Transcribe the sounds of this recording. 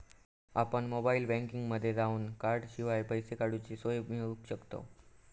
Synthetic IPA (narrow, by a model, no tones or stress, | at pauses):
apəɳmobailbɛ̃ŋkiŋɡməd̪ʱːjed͡zauːnkaɾʈɕiʋajpəjsekaɽut͡ɕisojmiupɕəkt̪o̰